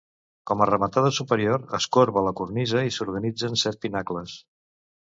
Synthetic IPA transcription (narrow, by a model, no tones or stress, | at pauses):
kɔmərəmət̪aðəsupəɾioɾəskoɾβələkurnizəisuɾɣənid͡zənsɛt̪̚pinakləs